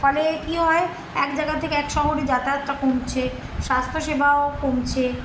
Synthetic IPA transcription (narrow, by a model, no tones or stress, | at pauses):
fɔlekiɦɔe | ɛkd͡ʑajɡat̪ʰekeɛkʃɔɦoɾed͡ʑat̪at̪ːakomt͡ɕʰe | ʃast̪ʰoʃebʱaokomt͡ɕʰe